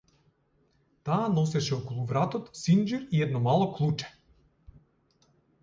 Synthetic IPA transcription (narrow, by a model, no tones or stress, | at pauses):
t̪aːnɔsɛʃɛɔkɔlˠuvɾat̪ɔt̪sind͡ʒiɾiɛd̪nɔmalˠɔklˠut͡ʃɛ̥